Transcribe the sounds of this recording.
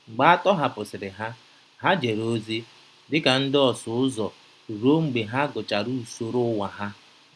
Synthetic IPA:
ŋ͡m̩˨ɡ͡ba˦a˦tɔ˦ɦa˨pʊ˨sɪ˨ɾɪ˨ɦa˦ | ɦa˦d͡ʒe˨ɾo˦zi˦ | dɪ˦ka˨n̩˦dɪ˦ɔ˨sʊ˨ʊ˦zɔ˨ | ɾo˦ŋ͡m̩˨ɡ͡be˨ɦa˦ɡʊ˨t͡ʃa˨ɾu˦˨so˦ɾʊ˦wa˨ɦa˦

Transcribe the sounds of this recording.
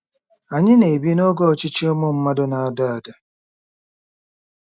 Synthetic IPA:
a˨ɲɪ˦ne˨bi˦no˦ɡɔ˦˨t͡ʃɪ˦t͡ʃo˦mʊ˦m̩˦ma˦dʊ˦na˨a˨da˦a˨da˨

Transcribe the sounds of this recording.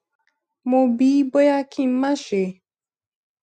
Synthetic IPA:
mo˨bi˨˦bo˦ja˦kʰi˦˨m̩˦ma˦ʃe˨

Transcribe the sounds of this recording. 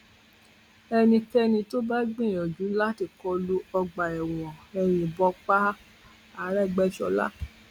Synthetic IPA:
ɛ˧nĩ˧kɛ˦nĩ˧to˦ba˦ɡ͡bĩ˦˨ɔ˨d͡ʒũ˨˦la˦ti˧˨kɔ˧lu˦ɔ˧ɡ͡ba˨ɛ˨wɔ̃˨ɛ˧ɾ̃ĩ˧˨bɔ˧k͡pa˦ | a˦˨˦ɾɛ˦˨ɡ͡bɛ˦ʃɔ˧la̰˦

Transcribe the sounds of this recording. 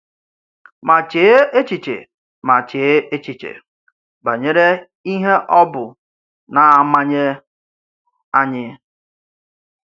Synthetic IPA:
ma˨t͡ʃe˨˦e˦t͡ʃi˨t͡ʃḛ˨ | ma˨t͡ʃe˨˦e˦t͡ʃi˨t͡ʃḛ˨ | ba˨ɲe˦ɾe˦ | i˦ɦe˦ʔɔ˦bʊ˨ | na˨a˨ma˦ɲe˦ | a˦ɲɪ˦

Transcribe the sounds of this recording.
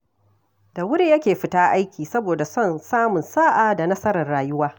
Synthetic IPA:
da˨wʊ˦ɾi˦jɐ˦kʲeː˨ɸɪ˦taː˦ʔa˦jkʲiː˨sɐ˦boː˨da˨sɔ˦˨nsaː˦mʊ˨nsaː˦ʔaː˨da˨nɐ˦sɐ˦ɾɐ˨rɽaː˨jʊ˦waː˦

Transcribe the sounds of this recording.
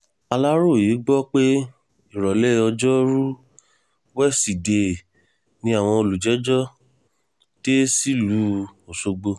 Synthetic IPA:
a˧la˦ɾo˦˨ji˨˦ɡ͡bɔ˦k͡pe˦ | i˦˨ɾɔ˨le˦˧ɔ˧d͡ʒɔ˦ɾu˦ | wɛ˦˨si˨de˧˨ | nĩ˧˦a˦˨w̃ɔ̃˧o˧lu˨d͡ʒɛ˨˦d͡ʒɔ˦ | te˦si˦lu˨˦o˨so˧ɡ͡bo˧

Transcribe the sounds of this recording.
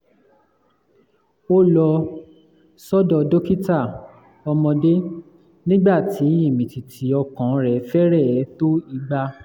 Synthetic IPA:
o˦lɔ˧ | sɔ˦dɔ˧do˦ki˦ta˦˨ | ɔ˧mɔ̃˧de˦ | nĩ˦ɡ͡ba˦˨tʰi˨˦i˦˨mĩ˨ti˨tʰi˨˦ɔ˧kã˨˦ɾɛ˨˦fɛ˦ɾɛ˦˨˦to˦i˧ɡ͡ba˧

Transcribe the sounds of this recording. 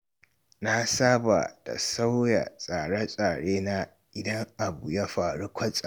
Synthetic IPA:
na˦saː˦ba̰˨da̰˨sa˦wja̰˨sʼaː˨ɽa˦sʼaː˨ɽeː˦na˦ | ʔɪ˦dɐ˦ŋʔa˨bu˨ja˦ɸaː˨ɽu˦kʷʰɐ˦sʼa˨

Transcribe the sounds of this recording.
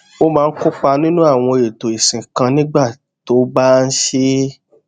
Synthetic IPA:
o˦mãː˨˦˧n̩˦kʊ˦k͡pa˧nĩ˦nũ˦a˦˨w̃ɔ̃˧e˨to˨i˨sĩ˨kã˧nĩ˦ɡ͡ba˦˨ | to˨˦ba˦n̩˦ʃe˦

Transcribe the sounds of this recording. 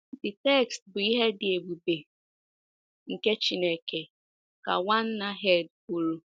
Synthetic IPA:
dɪ˨tɛ˦˨kstbʊ˨i˦ɦe˦dɪ˨e˨ɡ͡bu˨be˨ | ŋ̩˨ke˦t͡ʃi˨ne˨ke˨ | ka̰˨wa˦n̩˦na˦ɦe˦˨dku˨ɾu˦

